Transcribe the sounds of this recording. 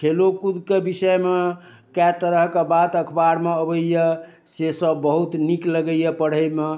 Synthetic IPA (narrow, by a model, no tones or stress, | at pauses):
kʰelokud̪kebisəme | kat̪əɾəɦkebad̪əkʰbaɾmeəbəjjə | sesəbːəɦut̪nikləɡəjəpəɽ̤əjme